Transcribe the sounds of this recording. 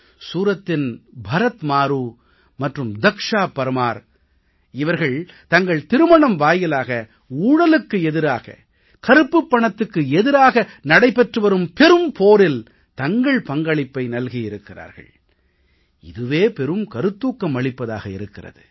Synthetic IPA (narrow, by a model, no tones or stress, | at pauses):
suːɾɐt̪ːɪnbʱɐɾɐt̪maːɾuː | mɐʈrɯmd̪ɐkʂaːpɐɾɯmaːɾ | ɪʋɐɾɣɐɭt̪ɐŋɡɐɭt̪ɪɾɯmɐɳɐmʋaːjɪlaːɣɐ | uːɽɐlɯkːɯɛðɪɾaːɣɐ̰ | kɐɾɯpːɯpːɐɳɐt̪ːɯkːɯɛðɪɾaːɣɐnɐɽɐɪpɛʈrɯʋɐɾɯmpɛɾɯmpoːɾɪl | t̪ɐŋɡɐɭpɐŋɡɐɭɪpːɐɪnɐlɣiɪɾɯkːɪra̰ːɾɣɐ̰ɭ | ɪðɯʋeːpɛɾɯmkɐɾɯt̪ːuːkːɐmɐɭɪpːɐða̰ːɣɐɪ̰ɾɯkːɪrɐ̰ðɯ̰